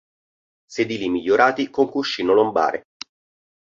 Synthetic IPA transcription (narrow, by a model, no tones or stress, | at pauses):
sed̪iːlimiʎːoɾʔaːt̪ikoŋkuʃːiːnolomba̰ːɾḛ